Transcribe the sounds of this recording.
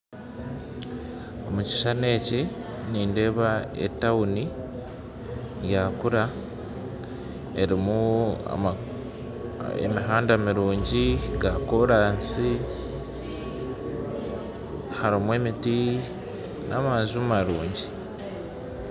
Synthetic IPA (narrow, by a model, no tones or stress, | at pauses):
o̞muci̥ʃane̞ːce | niːnde̞βaḛtːawuni | jakuɾa | e̞ɾimua̰a | ḛmiɦaːndamiɾuːɲɟiɡakoɾaːnsi | haɾimwe̞ːmiti | nʔamazumaɾuːɲɟi